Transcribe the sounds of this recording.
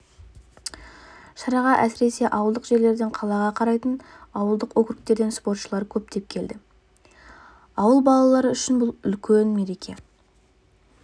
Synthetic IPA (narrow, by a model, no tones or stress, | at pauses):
ʃɑɾɑʁɑʔæsɪɾe̞se̞ʔɑwəlˠd̪əqʒe̞ɾle̞ɾd̪eɴqʰɑlˠɑʁɑqʰɑɾɑjt̪ənɑwəlˠd̪əqwɵkʲɪɾɪk̚t̪e̞ɾd̪e̞nspo̞rt̪ʃəlˠɑɾkʲʰɵp̚t̪e̞p̚kʲʰe̞ld̪ɪ | ɑwəlˠbɑlˠɑlˠɑɾəʏʃɪnbʊlˠʏlkʲʰenme̞ɾe̞kʲʰe̞̰